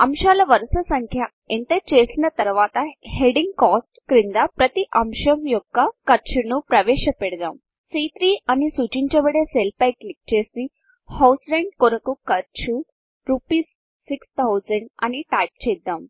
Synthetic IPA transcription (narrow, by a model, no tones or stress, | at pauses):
ɐmʃalɐʋɐɾsɐsɐŋkʰja | ent̪et͡ʃeːsnɐt̪ɐɾʋaːt̪ɐheɖiŋɡkɔsʈkɾind̪apɾɐt̪iʔɐmʃɐmjoɡːɐkɐɾt͡ʃʰunupɾɐʋeːɕɐpɛɽd̪a̰ːm | sit̪ɾiːɐnisuːt͡ʃiɲt͡ʃɐbɐɽeselpɐjklik̚t͡ʃeːsi | hawsɾeɳɖkoɾɐkukɐɾt͡ʃʰu | ɾupiːsː | ikst̪ʰawzɐɳɖɐ̰niʈajp̚t͡ʃeːd̪ːãːm